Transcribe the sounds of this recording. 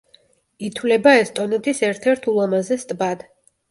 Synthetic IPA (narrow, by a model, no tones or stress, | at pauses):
it̪ʰwlɛbaɛst̪ʼɔnɛt̪ʰisɛɾt̪ʰɛɾt̪ʰulˠamazɛst̪ʼbad̪̥